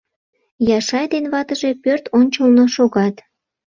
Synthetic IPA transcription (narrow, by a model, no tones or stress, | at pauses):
jɑʃɑjd̪enβɑt̪əʒe̽pørt̪ʰonʲt͡ɕəlnoʃoɣɑt̪